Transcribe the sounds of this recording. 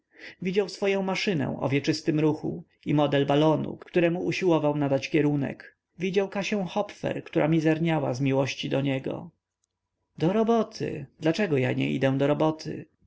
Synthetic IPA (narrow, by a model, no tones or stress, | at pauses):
vʲid͡ʑawsfɔjɔ̃w̃maʂɘnɛ̰̃ʔɔ̰vʲjɛt͡ʂɘst̪ɘmɾuxṵ | imɔd̪ɛlbalɔnṵkkt̪uɾɛmuuɕiwɔvawnad̪at͡ɕkʲɛɾunɛ̰k | vʲid͡ʑawkaɕɛw̃xɔpfɛ̰ɾkt̪uɾʔamʲizɛɾɲawa̰zmʲiwɔɕt͡ɕid̪ɔɲɛɡɔ̰ | d̪ɔɾɔbɔt̪ʰɪ̰d̪lat͡ʂɛɡɔja̰ɲɛ̰ḭd̪ɛ̃d̪ɔɾɔbɔt̪ʰɘ̰